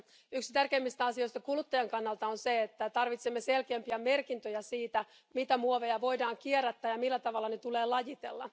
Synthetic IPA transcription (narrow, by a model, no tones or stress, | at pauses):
yksi̥t̪ærkeːmːist̪æɑsijo̞jst̪ɑkulut̪ːɑjɑŋkɑnːɑlt̪ɑonseet̪ːæt̪ɑrʋit̪semːeselkeːmpiæmerkint̪øjæsiːt̪æ | mit̪æmuoʋejɑʋo̞jdɑːŋk̟ieræt̪ːæːjɑmilːæt̪ɑʋɑlːɑnet̪ule̞ːlɑjit̪ḛlːɑ̰